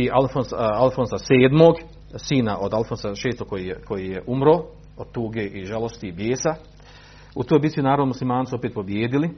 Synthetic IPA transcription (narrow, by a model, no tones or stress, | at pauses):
ialfonsalfonsase̞ːd̪moːɡ | siːnaʔod̪alfonsaʃe̞ːst̪okojikʰo̞jijeʔumɾoː | od̪̚t̪uːɡe̞ːʔiʒalˠo̞st̪iːbjeːsa | ut̪oːjbit̪sinaːɾonmuslimaːnsuo̞peːt̪̚po̞bjeːd̪ili